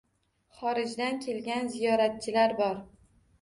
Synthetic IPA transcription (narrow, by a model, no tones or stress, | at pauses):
χɒɾɪd͡ʒd̪ankʲʰe̞lɡʲanzijɒɾat̪̚t͡ʃʰɪlaɾbɒɾ